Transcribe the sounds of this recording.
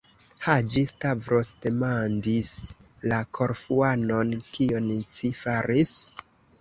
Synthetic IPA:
had͡ʒistavɾosdemandis | lakʰo̞ɾfuano̞nkiont͡sifaɾis

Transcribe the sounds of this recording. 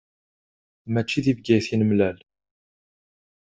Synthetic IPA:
mæt͡ʃːiðivɡæjθinəmlæl

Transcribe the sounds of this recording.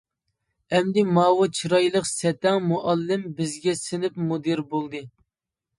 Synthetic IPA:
ɛmd̪ɪmɑːwɨt͡ʃʰiɾɑjlˠəqsɛt̪ɛŋmuʔɑlːɪmbɪzɡʲɛsɪnɪpmud̪ɨɾbolˠd̪ɨ

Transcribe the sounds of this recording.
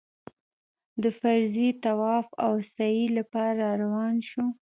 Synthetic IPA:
d̪əfaɾzit̪awɑfawsailapɑɾɑɾawɑnʃu

